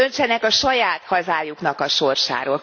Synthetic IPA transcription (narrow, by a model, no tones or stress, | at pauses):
ønt͡ʃɛnɛkɒʃɒjaːt̪hɒzaːjuknɒkɒʃo̞rʃa̰ːɾoːl